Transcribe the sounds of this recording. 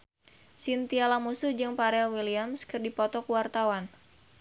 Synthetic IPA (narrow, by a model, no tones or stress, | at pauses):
sint̪ialamusuhd͡ʒɨŋpaɾɛlwiliamskɨrdipɔt̪ɔkuwart̪awan